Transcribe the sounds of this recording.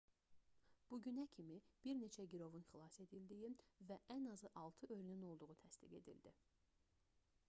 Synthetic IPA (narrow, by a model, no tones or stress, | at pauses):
b̥uɟynæcʰimib̥iɾne̞t͡ʃʰæɟiɾo̞vunχilˠɑse̞d̪ild̪ijivæʔænɑzɯʔɑlˠt̪ʰɯʔøɾynyno̞lˠd̪uʁut̪ʰæst̪iɡe̞d̪ḭld̪i